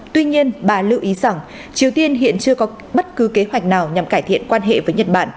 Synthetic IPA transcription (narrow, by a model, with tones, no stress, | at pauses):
t̪wi˧ɲi˧ənɓaː˨˩lɨ̰˧˨ʔi˨˦za˨˧˩ŋ | t͡ɕi˨˩əwt̪i˧ənɦḭ˧˨ənt͡ɕɨ˧əkɔ˨˦ | ɓə˦˥t̚kɨ˨˦ke˨˦ɦwa˨˩jk̟̚naː˨˩wɲa˨˩mkaː˧˩jt̪ʰḭ˧˨ənkwaː˧nɦḛ˧˨vəː˨˦jɲə˨˩t̚ɓa̰ː˧˨n